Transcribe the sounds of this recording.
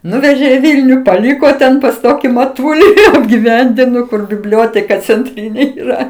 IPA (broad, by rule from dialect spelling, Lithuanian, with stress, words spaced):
ˈnʊʋʲɛʒʲeː iː ˈʋʲiːlʲnʲʊ pɐˈlʲiːkoː tʲɛn pɐs ˈtoːkʲɪ mɐˈtʊlʲɪ ɐbʲɡʲɪˈʋʲɛnʲdʲɪnoː kʊr bʲɪˈbʲlʲoːtʲɛkɐ t͡sʲɛnʲˈtʲrʲiːnʲeː iːˈrɐ